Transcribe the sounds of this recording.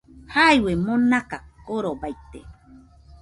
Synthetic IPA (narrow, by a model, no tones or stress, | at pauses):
hajwemonakakoɾobajt̪ḛ